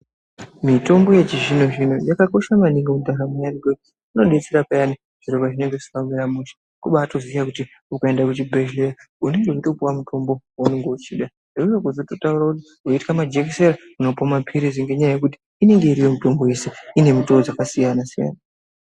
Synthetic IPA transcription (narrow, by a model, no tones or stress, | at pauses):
mito̞mbo̞je̞t͡ʃiʒino̞ʐinojakako̞ʃamaniŋɡamudʱaɾamajaniɡekuti̥ | uno̞ɗe̞t͡se̞ɾapajani | ʐ̥iɾo̞βaʐine̞ŋɡe̥i̥kameɾamuʃḁ | kuɓaːto̞zijakuti | ukaendakut̬ibʱeʒlera | une̞ŋɡe̞uto̞puwamutʰo̞mbo̞waneŋɡeut͡ʃiːɗa | ʐeujekuzototauɾakuti̥ | oitikamad͡ʒekiseɾa | unopomapʰiɾiziŋɡe̞ɲajajekuti̥ːne̞ŋɡe̞iɾiwe̞mito̞mbo̞je̞se̞ine̞mitood͡zakasijanasija̰na